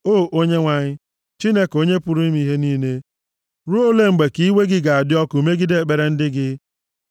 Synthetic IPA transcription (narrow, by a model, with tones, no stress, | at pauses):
oː˦˨ʔo˦ɲe˦ŋʷa˨ɲɪ˦ | t͡ʃi˦ne˦ko˦ɲe˦pʊ˦ɾu˦ni˦m˦i˦ɦe˦niː˦ne˦ | ɾu˦o˦le˦ŋ͡m̩˨ɡ͡be˨ki˦we˦ɡɪ˦ɡa˨a˨dɪ˦ɔ˦ku˨˦me˦ɡɪ˦de˦˨e˨k͡pe˨ɾe˨˦n̩˦dɪ˦ɡɪ˦